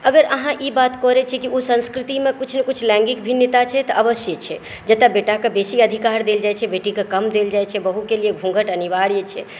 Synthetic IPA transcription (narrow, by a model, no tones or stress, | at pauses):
əɡəɾəɦãʔibat̪kɔɾɛt͡ʃʰɛkiusə̃nskɾit̪imekut͡ʃʰnekut͡ʃʰlɛ̃ŋɡikbʱinjət̪at͡ʃʰɛt̪ɔʔəbəsjət͡ʃʰɛ | d͡ʒət̪abeʈakebesiəd̪ʱikaɾd̪eld͡ʒajt͡ʃʰɛbeʈikekəmd̪eld͡ʒajt͡ʃʰɛbəɦukelieɡʱũŋɡəʈəniʋaɽijet͡ʃʰɛ